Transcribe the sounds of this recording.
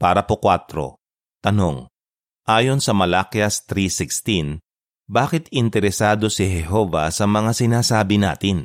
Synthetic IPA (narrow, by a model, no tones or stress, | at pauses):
paːɾɐpokwat̪ɾo̰ | t̪ɐno̞ŋ | ʔaːjo̞nsɐmɐlakjɐst̪ɾisɪkst̪in | baːkɪt̪ɪnt̪ɛɾɛsaːd̪o̞sɪɦɛɦo̞ːvɐ̰sɐmɐŋasɪnaːsaːbɪna̰ːt̪ɪn